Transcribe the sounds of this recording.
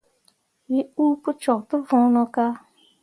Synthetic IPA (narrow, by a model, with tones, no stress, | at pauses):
wi˦uː˦pʊ˦t͡ʃɔ˨tʊ˦vʊ̃˦nɔ˧ka˦